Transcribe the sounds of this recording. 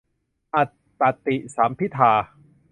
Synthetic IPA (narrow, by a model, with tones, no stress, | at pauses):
ʔa˨˩t̪ːa˨t̪i˨˩saː˩˦mpʰi˦˥t̪ʰːaː˧